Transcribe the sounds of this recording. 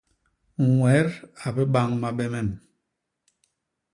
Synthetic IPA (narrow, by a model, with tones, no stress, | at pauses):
ŋ˨wɛ˨˦ɾa˨bɛ˦ɓa˦ŋma˦ɓɛ˦mɛ˦˨n